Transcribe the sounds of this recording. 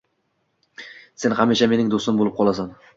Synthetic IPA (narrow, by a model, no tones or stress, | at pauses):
se̞nhamːiʃame̞nɪŋd̪osɪmbolɪp̚qʰɒlˠasan